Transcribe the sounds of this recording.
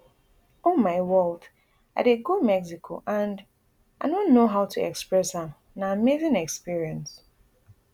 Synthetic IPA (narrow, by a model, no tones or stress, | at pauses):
omaɪwɜlt | a̰ɾeɡud̚mɛksikʰo̰ʔãnd | aɪdõnːoɦaʊtʰuɛ̰kspɹɛsha | naəmezɪ̃ŋɛkspiɹiə̃ns